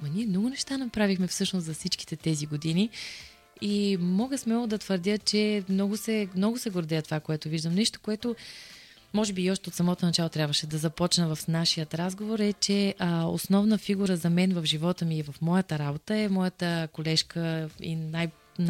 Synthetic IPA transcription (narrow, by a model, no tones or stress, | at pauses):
mɐniɛmnɔɡʊnɛʃt̪anɐpɾavixmɛfsɤʃnʊszɐfsit͡ʃki̥t̪ɛt̪ɛziɡod̪ini | imɔɡəsmɛlˠod̪ɐt̪vəɾd̪ʲjət͡ʃɛmnɔɡʊsɛmnɔɡʊsɛɡoɾd̪ɛət̪ovakoɛt̪ʊviʒd̪əmnɛʃt̪o̥koɛt̪ʊ | mɔʒɛbiːɔʃt̪ɛot̪sɐmɔt̪onɐt͡ʃalˠot̪ɾʲabvəʃɛd̪ɐzɐpɔt͡ʃnəvɐfnaʃijət̪ɾazɡovoɾɛt͡ʃɛo̰snɔvnəfiɡuɾəzɐmɛnvɐfʒivɔt̪əmiːvɐfmɔjət̪əɾabot̪əɛmɔjət̪əkolɛʃkəḭnaj | n